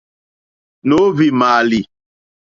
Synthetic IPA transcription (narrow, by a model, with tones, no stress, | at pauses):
no˨˦vi˨maː˨li˨